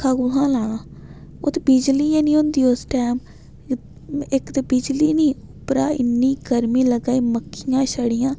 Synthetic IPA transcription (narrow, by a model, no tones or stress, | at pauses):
kʰaːɡuɦãːlaːɽ̃ãː | ʊt̪biːd͡ʒliːãːnĩːʊ̃nd̪iːosʈɛːm | ɪkt̪ebid͡ʒliːniːʊpɾaːɪ̰nːĩːɡəɾmiːləɡaːiːməkʰːijãːʃəɽɪjãː